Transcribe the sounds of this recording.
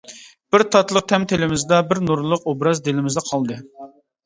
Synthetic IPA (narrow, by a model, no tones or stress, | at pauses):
b̥ɪɾt̪ʰɑt̪lˠəq̚t̪ʰɛmt̪ʰelɪmɪzd̪ɑbɪɾnuɾlˠəqobɾɑzd̪elɪmɪzd̪ɑqʰɑlˠd̪ɨ